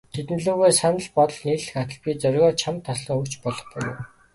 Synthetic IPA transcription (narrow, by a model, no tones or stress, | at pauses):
t̪ʰet̪n̆ɮuːɣeːsanə̆ɮpɔt̪ɞ̆ɮniːrɮɘ̆xat̪ə̆ɮpʲiːt͡sœrɣɔːt͡ɕʰamt̪ʰːasə̆ŋɵkt͡ɕpɔɮɞ̆χpujʊ̰ː